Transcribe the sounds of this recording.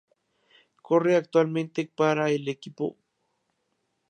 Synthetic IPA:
koreakt̪walment̪ek̚paɾaelekipo̰

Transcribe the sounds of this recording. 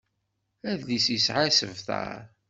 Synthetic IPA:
æðlisisʕasəvθə̰

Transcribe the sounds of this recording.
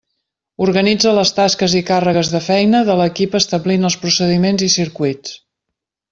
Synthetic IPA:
uɾɣənid͡zələst̪askəzikarəɣəzðəfɛjnəðələkipəst̪əblinəlˠspɾusəðimenzisiɾkuit͡s

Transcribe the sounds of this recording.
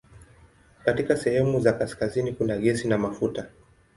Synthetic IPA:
katikasɛhɛmuzakaskazinikunaɠɛsinamafuta

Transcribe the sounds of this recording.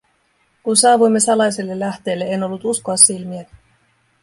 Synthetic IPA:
kunsɑːʋujmːe̞sɑlɑjse̞lːe̞lːæht̪e̞ːlːe̞eno̞lːut̪uskoɑsːilmiæ

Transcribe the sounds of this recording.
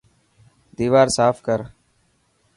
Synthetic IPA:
d̪iːʋaːɾsaːfkəɾ

